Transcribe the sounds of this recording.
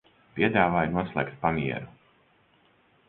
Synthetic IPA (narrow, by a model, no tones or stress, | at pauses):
pʲiɛd̪aːvaːjnuɔslˠɛ̰ːkt̪̚pamiɛ̰ɾu